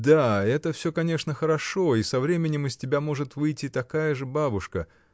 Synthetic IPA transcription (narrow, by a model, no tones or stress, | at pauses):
d̪aɛt̪əfsʲokɐnʲeʂnəxəɾɐʂo̞isɐvɾʲemʲɪnʲɪmɨsʲtʲɪbʲamo̞ʐɨt̪vɨjtʲɪt̪ɐkajəʐɨbabʊʂkə